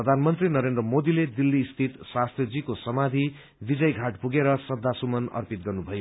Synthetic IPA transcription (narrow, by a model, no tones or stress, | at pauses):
prʌd̪ʱanmʌnt̪rinʌɾend̪rʌmod̪iled̪ilːiːst̪ʰit̪swast̪rʌd͡zikosʌmad̪ʱi | bid͡zʌjɡʱaʈpuɡeɾʌsʌd̪ʱːasumʌnʌ̰rpit̪̚ɡʌrnubʱʌjo